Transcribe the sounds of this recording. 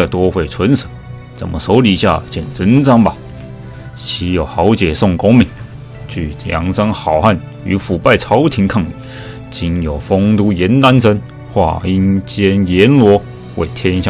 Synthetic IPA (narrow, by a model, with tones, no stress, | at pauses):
ə˨t̪wɔ˥xwe˥˩ɪt͡sʰwə˧˥nsə̥˨˩˦ | t͡sə˨˩nmə˦so˧˥ʊli˨˩ɕja̰˥˧t͡ɕʰjɛ˥˨˩nt͡sə˧˥nt͡sɑ˥ŋba˨ | ɕi˧˥jo˨˩ʊxɑ˧˥ʊt͡ɕjɛ˨˩sʊ˥˩ŋkʊ˥ŋmi˧˥˦ŋ | t͡ɕy˥˩ljɑ̰˧˥ŋsɑ˥ŋxɑ˨˩ʊxa˥˩n | y̰˧˥fu˨˩pa˥˩ɪt͡sʰɑ˧˥ʊt̪ʰi˧˥ŋkʰɑ˥˧ŋi˨˩ | t͡ɕi˧˥njo˨˩ʊfo˥ŋt̪u˥jɛ˨˧˥nt̪a˥nsʰə˥n | xwa̰˥˩i˧˥nt͡ɕjɛ˥njɛ˧˥nlwɔ˧˥ | wḛ˥˩ɪt̪ʰjɛ˥nɕjɑ˥˨